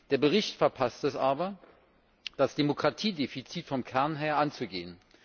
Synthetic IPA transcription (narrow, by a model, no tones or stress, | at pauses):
d̥eːɐbəʁ̞ɪçtfɛɐpʰastɛsʔaːbɐ | d̥asd̥emokʁ̥atʰiːdefit͡siːtfɔmkʰɛɐnɦeːɐʔant͡suɡḛːən